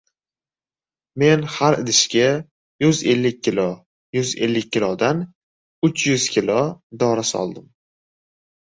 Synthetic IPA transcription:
me̞nhaɾd̪ɪʃkʲa | jʊze̞lːɪk̚ʲʰːɪlo | jʊze̞̰lːɪk̚ʲʰːɪlˠɒd̪an | ʊt͡ʃʰjʊz̥kʲʰɪlod̪ɒɾasɒ̰lˠd̪ɪm

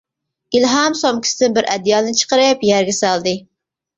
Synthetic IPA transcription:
ɡ̥ʲilɦɑmsomkʲi̥sɪd̪ɪnbɪɾʔɛd̪jɑːd̪ɨnɨt͡ʃʰə̥qəɾɨpjæɾɡʲɛsælˠd̪ɨ

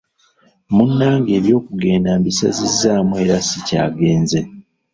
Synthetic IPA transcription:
munːaːŋɡe̞ːβjo̞ːkuɡe̞ːndambisazizːaːmwe̞ːɾasica̰ːɡe̞ːnze

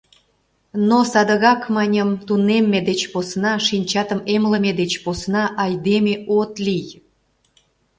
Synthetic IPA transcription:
nosɑd̪əɣɑkmɑnʲəmt̪unemːed̪et͡ɕposnɑʃinʲt͡ɕɑt̪əmemləmed̪et͡ɕposnɑʔɑjd̪emeʔot̪lij

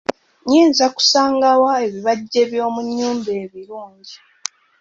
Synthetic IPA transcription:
ɲiːnzaku̥saːŋɡawae̞βiβaɟːe̞βjo̞ːmuɲːuːmbe̞ːβiɾuːɲɟi

